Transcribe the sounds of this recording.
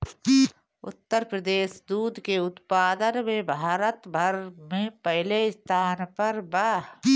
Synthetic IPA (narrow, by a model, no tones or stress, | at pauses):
ʊ̰t̪ːəɾpɾəd̪eːsd̪uːd̪keʊt̪paːd̪ənmẽbʱaːɾət̪bʱɐɾmẽpɛɦleɪst̪ʰaːnpɐɾba